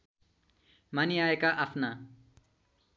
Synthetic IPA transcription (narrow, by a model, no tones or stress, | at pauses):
maniaekaʔapʰna